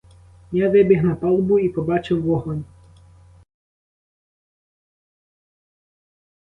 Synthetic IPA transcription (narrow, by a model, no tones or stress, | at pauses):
jaʋɪbʲɪɦnɐpɑlˠbʊipɔbɑt͡ʃɪwːɔɦɔnʲ